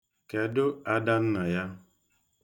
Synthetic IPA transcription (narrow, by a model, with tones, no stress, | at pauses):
ke˨dʊ˦a˦da˦n̩˦na˨ja˦